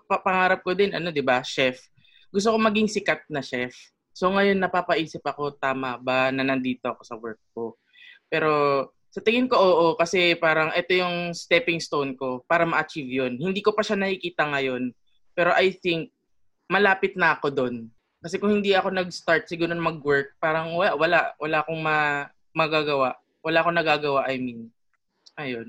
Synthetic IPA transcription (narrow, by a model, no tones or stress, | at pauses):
pɐpɐŋaːɾɐp̚kod̪ɪnʔɐ̰no̞d̪ɪbaʃɛf | ɡʊs̬t̪okomɐɡɪŋsɪkat̪̚nɐʃɛf | so̞ŋɐjo̞nːɐpaːpɐʔiːsɪp̚ʔɐko̞t̪aːmɐbɐnɐnɐnd̪iːt̪o̞ʔɐko̞sɐwɛɹk̚ko̞ | pɛːɾo̞ | sɐt̪ɪŋɪnko̞ʔoːʔo̞kɐsɛpaːɾɐŋʔɛt̪o̞jʊŋst̪ɛpɪŋst̪ownko̞paːɾɐmɐʔɐt͡ʃivjo̞nhɪnd̪iːko̞pɐʃanɐkɪkiːt̪ɐŋɐjo̞n | pɛːɾo̞ʔɐjθɪŋk̚ | mɐlaːpɪt̪̚nɐʔɐko̞d̪o̞n | kɐsɛkʊŋhɪnd̪iʔɐko̞nɐɡ̚st̪aɹt̪̚sɪɡuːɾonmɐɡwɛɹk̚paːɾɐŋwɐaʔwɐlaʔwɐlaːko̞ŋmɐ | mɐɡaːɡɐwaʔ | wɐlaʔko̞nɐɡaːɡɐwaʔɐjmin | ʔɐjo̞n